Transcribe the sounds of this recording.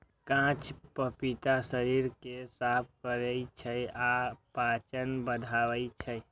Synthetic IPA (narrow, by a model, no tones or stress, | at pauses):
kãːt͡ʃpəpit̪asəɾiːɾkesaːp̚ʰkəɾəit͡ʃʰəjapaːt͡ʃənbəd̪ʱaːʋəit͡ʃʰəj